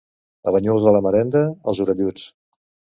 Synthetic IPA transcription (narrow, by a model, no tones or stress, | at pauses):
ə̰βəɲulzðələməɾɛnd̪əə̰lˠzuɾəðjut͡s